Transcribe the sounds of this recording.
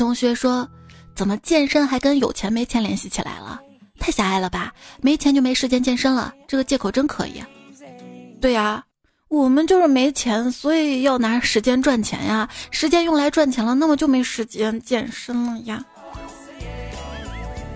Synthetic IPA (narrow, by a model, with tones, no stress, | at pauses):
ʊ˥ŋɕɥɛ˧˥ʂwɔ˥ | t͡sə˨˩mə˦t͡ɕjɛ˥˩nʂə˥nxa˧˥ɪkə˥njo˨˩ʊt͡ɕʰjɛ˧˥nme˧˥ɪt͡ɕʰɛ˧˥nljɛ˧˥nɕi˥˩t͡ɕʰi˨˩la̰˧˥ɪlə̰˧ | t̪ʰa˥˩ɪɕa˧˥a˥˩ɪlə˩ba˩me˧˥ɪt͡ɕʰjɛ˧˥nt͡ɕo˥˩ʊme˧˥ɪʂɻ̩˧˥t͡ɕjɛ˥nt͡ɕjɛ˥˩nʂə˥ŋlə̰˨ʈ͡ʂɤ˥˩ɡə˩t͡ɕjɛ˥˩kʰo˨˩ʊə˥nkʰɤ̰˧˥ḭ˨˩ | t̪we˥˩ɪɐ˩ | wɔ˨˩mə˦nt͡ɕjo˥˧ʊʂɻ̩˥˩me˧˥ɪt͡ɕʰjɛ˧˥nswɔ˧˥i˨˩jɑ˥˩ʊna˧˥ʂɻ̩˧˥t͡ɕjɛ˥nʈ͡ʂwa˥˩nt͡ɕʰjɛ̰˧˥na˧ʂɻ̩˧˥t͡ɕjɛ˥njʊ˥˩ŋla˧˥ɪʈ͡ʂwa˥˩nt͡ɕʰjɛ˧˥nlə˧na˥˩mə˩t͡ɕjo˥˧ʊme˧˥˨ʂɻ̩˧˥t͡ɕjɛ˥nt͡ɕjɛ˥˧nʂə˥ŋlə˨˧˥ja˥˩